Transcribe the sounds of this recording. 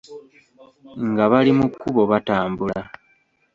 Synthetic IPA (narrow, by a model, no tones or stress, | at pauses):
ŋɡaβalimukːuβo̞βataːmbula